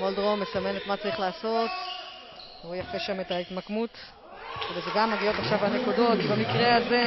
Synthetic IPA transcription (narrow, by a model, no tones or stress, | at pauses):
moldʁomesame̞netmat͡saʁiχlaːso̞t | ujafeʃametaitmakmut | vezeɡamːaɡio̞taχʃavhane̞kudo̞tbemikʁeaze